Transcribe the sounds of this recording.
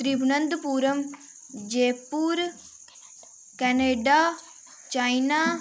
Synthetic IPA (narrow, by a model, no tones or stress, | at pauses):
t̪ɾibʱnənd̪puːɾəm | d͡ʒeːpuːɾ | kɛːneːɖaː | t͡ʃaːinaː